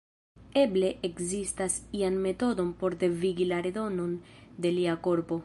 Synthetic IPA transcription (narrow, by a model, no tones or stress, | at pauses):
e̞ble̞ʔekzistasianme̞to̞do̞npo̞ɾd̪e̞viɡilaɾe̞do̞no̞nde̞liako̞ɾpo̞